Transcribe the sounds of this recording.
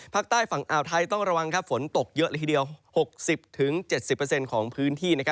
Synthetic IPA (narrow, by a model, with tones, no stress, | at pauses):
pʰaː˥˩k̚t̪aː˥˩jfa˨˩ŋʔaː˨˩wt̪ʰa˧jt̪ɔ˥˩ŋɾa˧wa˧ŋkʰa˦˥p̚fo˩˦nt̪o˨˩k̚jɤ˦˥ʔlːt̪ʰːdi˧əwho˨˩k̚si˨˩p̚t̪ʰɯ˩˦ŋt͡ɕe˨˩t̪̚si˨˩pːəː˧se˧nkʰɔː˩˦ŋpʰɯː˦˥nt̪ʰiː˥˩na˦˥kʰ